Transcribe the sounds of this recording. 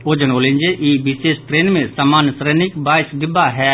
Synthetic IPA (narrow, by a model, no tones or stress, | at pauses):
oːd͡ʒənoːlĩnd͡ʒeʔiːbɪseːʃʈɾeːnmẽsɐmaːnsɾeːnɪkbaːɪsd̪ɪbaɦɛː